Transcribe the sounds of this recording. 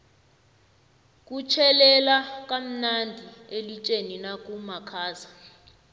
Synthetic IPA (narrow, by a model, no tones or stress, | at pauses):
k̬ʼut͡ʃʰɛlɛlak̬ʼam̩nandʱielit͡ʃʼeninak̬ʼumakʰaːza